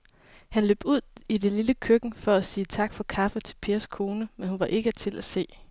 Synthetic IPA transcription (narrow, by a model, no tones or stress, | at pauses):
hænlø̰ːb̥uð̞̰ˠide̝liləkʰøɡ̥n̩fɒ̽æsiːt͡sʰɑ̈ɡ̥fɒ̽kʰɑ̈fət͡sʰe̝̥lpʰe̝ːɐskʰo̝ːnəmenhunʋɑ̈ʔe̝ɡ̥ət͡sʰe̝lʔæse̝̰ː